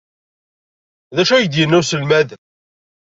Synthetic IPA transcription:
ðæʃæjəd̪jənːusəlmæðə

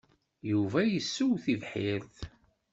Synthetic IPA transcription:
juvæjəsːuwθivħɪɾθ

